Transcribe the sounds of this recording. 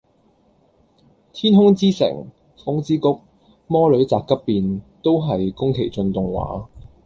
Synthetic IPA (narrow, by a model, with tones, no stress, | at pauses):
t̪ʰiː˥nɦʊ˥ŋt͡siː˥sɪ̰˨˩ŋ | fʊ˨˥ŋt͡siː˥kʊ˥k̚ | mɔː˥lɵ˨˥ɥt͡saː˨kːɐ˥pːiː˨nt̪o˥wɦɐ˨jkʊ˥ŋkʰe˨˩jt͡sɵ˧nt̪ʊ˨ŋwa̰ː˨˥